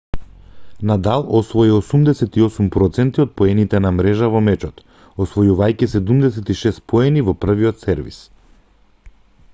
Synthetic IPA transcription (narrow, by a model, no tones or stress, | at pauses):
nad̪alˠɔsvɔiosumd̪ɛsɛt̪iɔsumpɾɔt̪sɛnt̪iot̪̚pɔɛnit̪ɛnamɾɛʒavɔmɛt͡ʃɔt̪ | osvɔjuvajcisɛd̪umd̪ɛsɛt̪iʃɛst̪̚pɔɛnivɔpr̩viɔt̪sɛɾvḭs